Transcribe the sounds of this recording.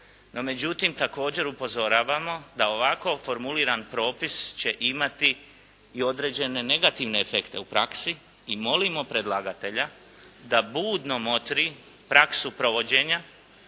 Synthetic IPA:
no̞me̞d͡ʑut̪imt̪ako̞ːd͡ʑe̞ɾupo̞zo̞ɾaːʋamo̞d̪ao̞ʋako̞fo̞ɾmuliːɾanpɾo̞ːpist͡ɕe̞ʔimat̪iː | o̞d̪ɾe̞ːd͡ʑe̞ne̞ne̞ɡat̪iʋne̞efe̞kt̪e̞upɾa̰ksi | imo̞limo̞pɾe̞d̪lˠaɡat̪e̞ʎa | d̪abuːd̪no̞mo̞t̪ɾi | pɾaksupɾo̞ʋo̞d͡ʑe̞ːɲa

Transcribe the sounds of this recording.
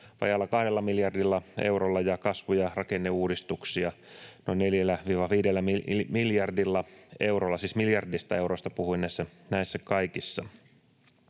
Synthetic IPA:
ʋɑ̰jɑlːɑkɑhdelːɑmiljɑrdilːɑḛuɾolːɑjɑkɑsʋujɑrɑkenːeuːdist̪uksiɑnoinːeljælːæʋiːʋɑʋiːdelːæmimiljɑrdilːɑewrolːɑsiːsmiljɑrdist̪ɑe̞wɾost̪ɑpuhuinæisːænæisːækɑikisːɑ

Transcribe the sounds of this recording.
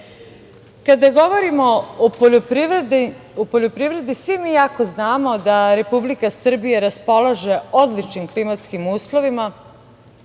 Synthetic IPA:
kad̪aɡo̞ʋo̞ɾimo̞ooop̪ | opo̞ʎo̞pɾiʋɾe̞d̪isʋimijako̞znaːmo̞d̪aɾe̞publikasr̩bijeɾaspo̞loʒe̞o̞d̪lit͡ʃnimklimat̪skimuːslˠo̞ʋima

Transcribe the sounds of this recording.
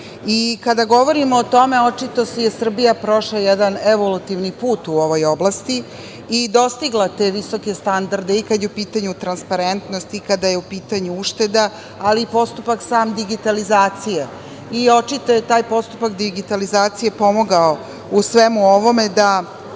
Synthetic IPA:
ikad̪aɡo̞ʋo̞ɾimoːt̪o̞me̞ot͡ʃit̪osejesr̩bijapɾo̞ʃlajɛd̪aneʋo̞lut̪iʋnipuːt̪uo̞ʋo̞jo̞blast̪i | id̪o̞st̪iɡlat̪e̞ʋiso̞ke̞st̪and̪aɾd̪eikad̪jeupiːt̪aɲut̪ɾanspaɾent̪nost̪ikad̪aje̞upiːt̪aɲuuʃt̪e̞d̪a | aliːpo̞st̪upaksaːmd̪iɡit̪alizaːt̪sije | io̞t͡ʃit̪ojet̪aːjpo̞st̪upakd̪iɡit̪alizaːt̪sijepo̞moɡao | usʋemuo̞ʋo̞me̞d̪a

